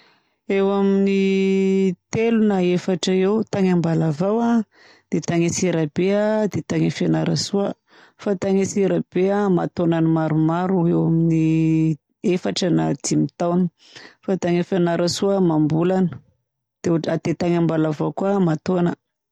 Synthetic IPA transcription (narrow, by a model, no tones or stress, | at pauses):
ewamini | t̪elunaefaʈ͡ʂəewt̪aŋambalavawa | d̪̥et̪aŋesiɾabead̪et̪aŋefanaɾasuə | fat̪aŋesiɾab̥eama̰t̪onanimaɾumaɾuewamini | efaʈ͡ʂənad̪imit̪awnə | fat̪aŋefanaɾəsuəmambulanə | d̪̥eʈ͡ʂad̪̥et̪aŋambalavawkuamat̪onə